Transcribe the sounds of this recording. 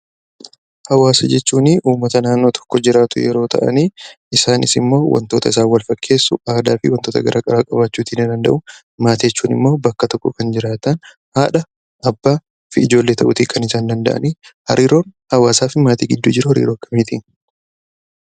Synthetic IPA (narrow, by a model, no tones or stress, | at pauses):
hɐwaːsɐd͡ʒɛt͡ʃːuːnɪʔuːmːɐt̪ɐnaːnːoːt̪ʰɔ̥kːɔd͡ʒɪɾaːt̪ʊ̰jɛ̰ɾo̞ːt̪ʰɐ̰ʔɐ̰niː | ɪsaːnɪ̰sɪmːo̞ːwʔɐ̰nt̪o̞ːt̪ɐɪsaːwɐlfɐkːe̞ːsːʊaːd̪aːfɪwɐnt̪oːt̪ɐɡɐɾʔaːkʼɐɾaːkʼɐbat͡ʃːuːt̪inɐd̪ɐnd̪ɐ̰ʔʊ | maːt̪ɛt͡ʃːuːnɪ̰mːo̞ːbɐkːɐt̪ɔkːɔkɐnd͡ʒɪɾaːt̪ɐn | haːᶑɐ | ʔɐbːaː | fɪɪd͡ʒo̞ːlːeːt̪ʰɐʔʊt̪ikʰɐnɪsaːnd̪ɐnd̪ɐʔɐ̰nihɐ̰ɾiːɾo̞ːnhɐwaːsaːfɪmaːt̪ḭːɡɪd̪ːud͡ʒɪɾʊhɐɾḭːɾo̞ːkːɐmiːt̪iːn